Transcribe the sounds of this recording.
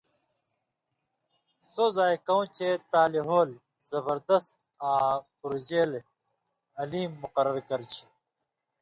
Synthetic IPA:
sozaːjkɐw̃t͡ɕet̪aːliɦoːl | zɐbɐɾd̪ɐst̪̚ | ãːpuɾd͡ʑeːle | ɐliːmːuqɐɾɐɾkɐɾt͡ɕʰi̥

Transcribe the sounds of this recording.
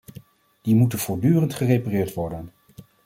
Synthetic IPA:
d̥imutənv̥ʊːɹdyːrəntχərejparɪːɹtʋɔɹdən

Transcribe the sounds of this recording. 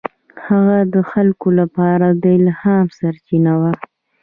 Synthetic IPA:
haɣad̪əxalkolapɑɾad̪əɪlhɑmsaɾt͡ʃinawa

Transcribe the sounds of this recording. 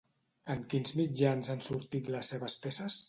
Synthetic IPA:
əŋkinzmid͡ʒanzansuɾt̪it̪ləsːeβəspesəs

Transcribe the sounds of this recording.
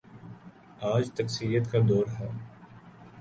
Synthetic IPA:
aːd͡ʒt̪ɐksiɾijət̪kad̪oːɾɦɛː

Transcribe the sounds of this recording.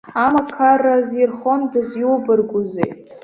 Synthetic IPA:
amakʰarazirχondɨzjuwbɨrɡʷʊzḛj

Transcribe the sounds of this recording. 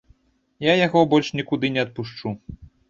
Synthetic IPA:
jajaɣɔbɔlʲʂnʲikud̪ɨnʲɛɐt̪̚puʂt͡ʂu

